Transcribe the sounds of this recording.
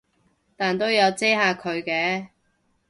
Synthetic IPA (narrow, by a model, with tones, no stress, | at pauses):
t̪aː˨˩nt̪o˥wjɐ˨˧wt͡seː˥ɦaː˨˧kʰɵ˨˧ɥkɛː˨˧